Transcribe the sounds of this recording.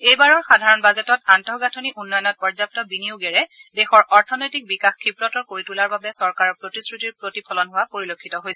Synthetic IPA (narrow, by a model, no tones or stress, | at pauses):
ejbaɹɔɹxadʱaɹɔnbazetɔtantɔɡatʰoniʔunːɔjɔnɔt̚pɔɹzap̚tɔbinioɡɛɹɛdexɔɹʔɔɹtʰɔnojtik̚bikaxkʰːipɹɔtɔkoɹitulaɹbabɛsɔɹkaɹɔɹpɹotisɹutiɹpɹotipʰɔlɔnɦʊwapoɹilokʰːitɔɦojsɛ